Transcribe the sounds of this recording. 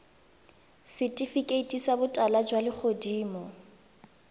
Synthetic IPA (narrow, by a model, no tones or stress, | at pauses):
sɪtʼifikʼeitʼisabʊtʼalad͡ʒwalɪk͡xʰodiːmɔ